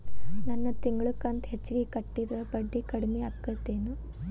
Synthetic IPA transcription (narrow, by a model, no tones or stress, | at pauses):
nɐnːɐt̪iŋɡɐɭukːɐnt̪ɦet͡ʃːiɡekɐʈːid̪ɾɐbɐɖːikɐɽimeɐkːɐt̪ːeːnu